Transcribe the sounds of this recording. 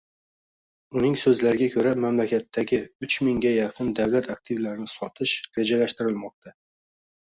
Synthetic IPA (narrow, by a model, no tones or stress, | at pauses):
ʊnɪŋsɵzlaɾɪɡʲakʲʰɵɾamamlakʲat̪ʰːaɡʲɪʊt͡ʃmɪŋɡʲajɑqʰɨnd̪awlat̪ʰak̚t̪ʰɪvlaɾɪnɪsɒt̪ʰɪʃɾe̞d͡ʒalaʃt̪ɪɾɪlmɒq̚t̪ʰa